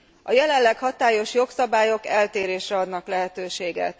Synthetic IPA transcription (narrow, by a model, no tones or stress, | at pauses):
ɒjɛlɛllːɛkhɒt̪aːjo̞ʃjo̞ksɒbaːjo̞kɛlt̪eːɾeːʃrɛɒd̪nɒklɛɦɛt̪øːʃeːɡɛ̰t̪